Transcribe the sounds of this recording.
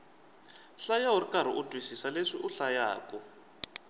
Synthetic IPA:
ɬajaurikaɾ̤iʔudʱwisisaleʂiʔuɬaja̰ːkɔ

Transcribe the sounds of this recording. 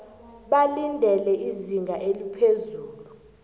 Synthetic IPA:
ɓalindʱɛlɛʔiziŋɡʱaʔelipʰezuːlu

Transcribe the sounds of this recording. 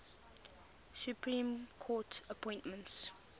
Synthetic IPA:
sjupʰɹĩmkʰɔtəpʰɔ̃ɪ̃ntmə̃nts

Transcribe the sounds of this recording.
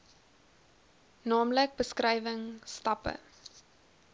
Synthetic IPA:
nɑːmlək̚bəskrɛjvəŋstɐpə̰

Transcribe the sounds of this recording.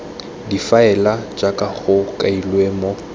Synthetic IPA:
difaɛlad͡ʒakʼaχʊkʼailwemɔ

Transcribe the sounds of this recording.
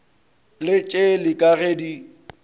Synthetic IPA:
lɪt͡ʃʼelɪkʼaɣeːdi

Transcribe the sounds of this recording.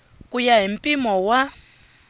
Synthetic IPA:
kujaɦim̩pʼimɔwa

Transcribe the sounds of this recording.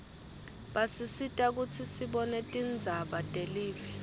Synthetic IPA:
ɓasisitʼak̬ut͡sʰisiɓɔnɛtʼind͡zʱaɓatʼeliːvɛ

